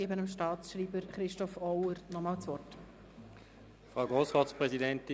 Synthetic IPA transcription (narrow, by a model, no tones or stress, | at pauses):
eːbənəmʃtɑːt͡sʃɾiːbəɾχɾɪʃtɔfɔʊəɾnɔmɑːlt͡sʋɔrt | fʁaʊɡʁoːsʁɑːtspʁɛzidɛnti